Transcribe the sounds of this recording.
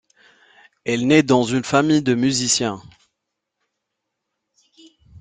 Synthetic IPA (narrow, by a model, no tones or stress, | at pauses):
ɛlnɛd̪ɑ̃zynfamijd̪əmyzisjɛ̃